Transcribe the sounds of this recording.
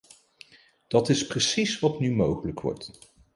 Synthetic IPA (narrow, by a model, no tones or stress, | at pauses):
d̥ɑtɪsprəsisʋɑtnymowχələkʋɔ̰ɹt